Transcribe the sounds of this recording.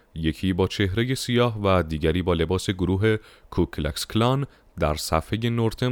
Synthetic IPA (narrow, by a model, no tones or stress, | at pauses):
je̞cʰiːbɒːt͡ʃʰe̞hɾe̞je̞sijɒːɦvæd̪iːɟæɾiːbɒːle̞bɒːse̞ɡoɾuːɦe̞kʰukʰlæ̰ksklɒn | d̪æɾsæfhe̞je̞noɾt̪ʰe